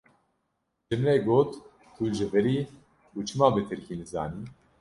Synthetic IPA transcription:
d͡ʒɨmnɛɡoːt̪ | kʰuʒɛvɛɾiː | ut͡ʃʰɨmɑːbɨt̪ʰɨɾkinɨza̰ːniː

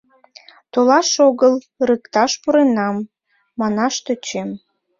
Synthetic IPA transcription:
t̪olɑʃoɣəl | rəkt̪ɑʃpuɾenɑmː | ɑnɑʃt̪øt͡ɕem

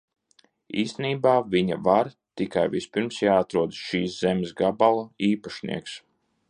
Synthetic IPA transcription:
ḭːst̪ɛniːbaːviɲa̰vaɾ | t̪ikajvispiɾmsjaːat̪ɾuɔd̪sʃiːszɛmʲesɡabalˠuiːpaʃnḭɛks

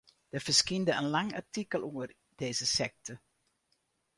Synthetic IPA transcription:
dəv̥ərskindəənlɑŋa̰rtikəlˠʔuər | d̥eːzəsɛk̚tʰə

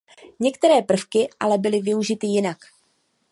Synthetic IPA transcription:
ɲɛkt̪ɛɾɛːpr̩fkɪʔa̰lɛbɪlɪvɪuʒɪt̪ɪjɪnak

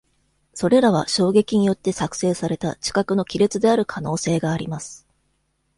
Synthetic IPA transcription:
so̞ɾe̞ɾaβ̞a̰ɕo̞ːɡe̞kʲiɲ̟ijo̞t̪ːe̞sakɯ̟̥se̞ːsaɾe̞t̪a̰t͡ɕi̥kakɯ̟no̞kʲiɾet͡sɨd̪e̞aɾɯ̟kʰano̞ːse̞ːɡaːɾʲimasɨ̥

